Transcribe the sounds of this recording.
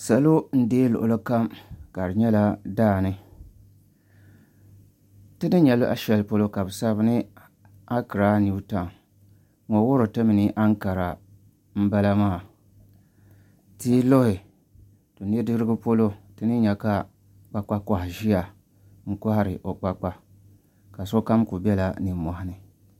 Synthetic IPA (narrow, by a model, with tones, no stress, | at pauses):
sa˨lo˦n̩˦deː˦lʊ̰˨ʔʊ˨lɨ˦ka˦mka˨ɾɨ˨ɲɛ˦la˦daː˦˨nɨ˦ | tɨ˦nɨ˦ɲɛ˨lʊ˦ʔa˦ʃɛ˦lpo˦lo˦ka˨bɨ˨sa˦βnɨ˦ | a˦kɨ˨ɾa˦ni˨u˦ta˨ | ŋo˨wʊ˦ɾɨ˨tɨ˦mɨ˨nɨ˦ʔa˦ŋ˦ka˨ɾa˨ | m̩˦ba˦la˦maː˦˨ | ti˦lo˦hɪ˨ | to˨nɨ˦dɨ˦ɾɨ˦ɡɨ˦po˦lo˦tɨ˦nɨ˦ɲɛ˨ka˦ | k͡pa˦k͡pa˦ka˨hɪ˨ʒi˦a˨ | ŋ̩˨kʊ˦ha˦ɾɪ˨ʔo˨k͡pa˦k͡pa˦ | ka˨so˦ka˦mku˨bɛ˦la˨nɨ˨˦mɔ˨ha˦nɨ˨